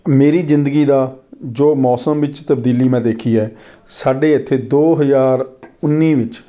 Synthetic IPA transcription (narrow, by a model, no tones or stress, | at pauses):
meːɾiːzɪ̃nd̪əɡiːd̪aːd͡ʒoːmɔːsəmʋɪt͡ʃt̪əbd̪iːliːmɛ̃ːd̪eːkʰiːɛː | saːɖeːɪt̪ʰːeːd̪oːɦəzaːɾʊnːiːʋɪt͡ʃ